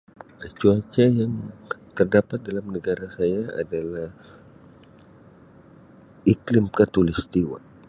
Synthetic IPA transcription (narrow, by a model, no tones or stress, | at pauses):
kət͡ʃuat͡ʃajaŋt̪ərdapat̪̚dalamnəɡaɾasajaa̰dalah | iklɪmkat̪ulist̪iwa̰